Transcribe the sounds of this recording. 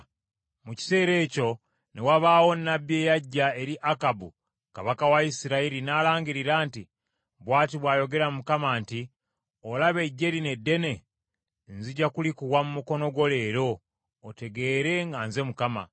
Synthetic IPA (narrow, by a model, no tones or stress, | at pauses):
muci̥se̞ːɾe̞ːco̞ | newaβaːwo̞nːabje̞ːjaɟːae̞ɾiʔakabu | kaβakawaisiɾaiɾinaːlaːɲɡiɾiɾaːnti | βwaːtiβwaːjo̞ɡe̞ɾamukamaːnti | olaβe̞ɟːe̞ɾine̞dːe̞ne̞ | nziɟakulikuɣwamumuko̞no̞ɡo̞le̞ːɾo̞ː | te̞ɡe̞ːɾe̞ŋɡanze̞mukama̰